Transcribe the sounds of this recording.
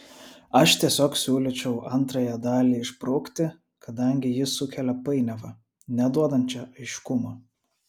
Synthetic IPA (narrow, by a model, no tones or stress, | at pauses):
ɐʃt̪ʲiɛsʲoːksʲuːlʲɪt͡ʃʲɛʊʔɐnˑt̪ɾɐjɛd̪ɑːlʲiːɪʃpɾɐʊkt̪ʲɪ | kɐd̪ɐŋʲɡʲɪjɪsʊkʲɛlʲɛpɐɪnʲɛʋɐ | nʲɛd̪uɔd̪ɐnʲt͡ʃʲɛʔɐɪʃkʊmɐ